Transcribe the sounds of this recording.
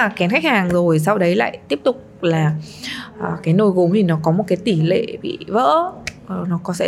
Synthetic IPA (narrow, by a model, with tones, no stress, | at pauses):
kɛ˨˦nxa˦˥k̚haː˨˩ŋzo˨˩js̬a˧wɗə˨˦jla̰ː˧˨jt̪i˦˥əp̚t̪ʊ˨˩k͡p̚laː˨˩əː˨˩kaː˨˦jno˧jɣu˨˦mt̪ʰi˨˩nɔ˨˦kɔ˨˦mo˨˩t̚kaː˨˦jt̪i˧˩lḛ˧˨ɓḭ˧˨və̰ː˧˥˨ | nɔ˨˦kɔ˨˦sɛ̰˧˥